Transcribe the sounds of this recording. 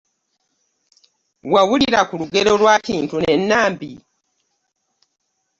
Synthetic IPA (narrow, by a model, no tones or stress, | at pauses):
wawuliɾakuluɡeɾo̞lwakiːntunenːaːmbi